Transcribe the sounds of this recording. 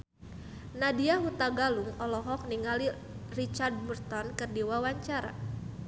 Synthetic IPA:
nadiaɦut̪aɡaluŋɔlɔɦɔk̚niŋali | rit͡ʃard̚murt̪ɔnkɨrdiwawaɲt͡ʃaɾa̰

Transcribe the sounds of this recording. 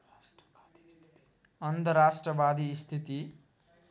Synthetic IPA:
ʌnt̪ʌrːasʈrʌbad̪ist̪ʰit̪i

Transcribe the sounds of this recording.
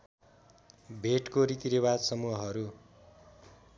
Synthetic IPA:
bʱeʈkoɾit̪iɾebad̪sʌmuɦʌɦʌɾu

